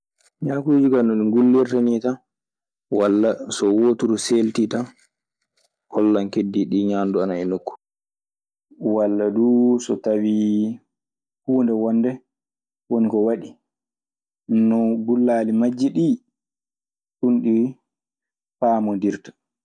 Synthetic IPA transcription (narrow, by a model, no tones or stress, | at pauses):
ɲaːkud͡ʒuɡanɔɗiŋɡulːiɾtanita | walːasɔwotuɾuseltita | kʰɔlːaŋkedːiɗiɲaːnduanaɛnokːu̥ | walːaduːsɔtawi | huːndɛwɔndɛ | wonikɔwaɗi | nɔɡulːalimad͡ʒːiɗi | ɗunɗiw | paːmɔndiɾtḁ